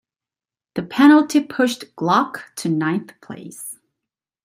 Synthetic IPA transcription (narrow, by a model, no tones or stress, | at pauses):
ðɨpʰɛnl̩ˠtʰipʰʊʃɡ̥lɑktʰɨnãɪ̃nθpʰl̥ḛɪs